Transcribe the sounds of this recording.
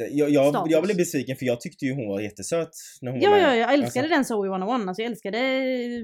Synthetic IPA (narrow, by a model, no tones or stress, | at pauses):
jɑjɑːɡjɑːɡblɛbɛsviːkənfœɾjɑːɡ̚t̪ʰʏk̚t̪əjɵɦʊnvaɾjɛt̪ːəsøːt̪næɾhʊnjɑːjɑjɑɡɛlskad̪əd̪ɛnsowɪwanɔwanːalsɔjɛlskad̪ə